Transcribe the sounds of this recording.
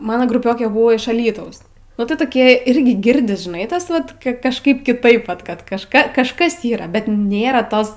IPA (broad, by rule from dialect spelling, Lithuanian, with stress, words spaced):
ˈmɑːnoː ɡrʊˈpʲoːkʲeː ˈbʊʋoː ɪʃ ɐˈlʲiːtɐʊs nʊ ˈtɐɪ toːˈkʲiɛ ˈɪrʲɡʲɪ ˈɡʲɪrʲdʲɪs ʒʲɪˈnɐɪ ˈtɐs ˈʋɐt kʲɪ kɐʃˈkɐɪp kʲɪˈtɐɪp ˈʋɐt ˈkɐt kɐʃˈkɐ kɐʃˈkɐs ˈiːrɐ bʲɛt ˈnʲeːrɐ ˈtoːs